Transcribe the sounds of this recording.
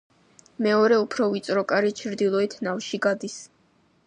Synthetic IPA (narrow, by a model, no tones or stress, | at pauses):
mɛɔɾɛupʰɾɔvit̪sʼɾɔkʼaɾit͡ʃʰɾd̪ilˠɔit̪ʰnavʃiɡad̪is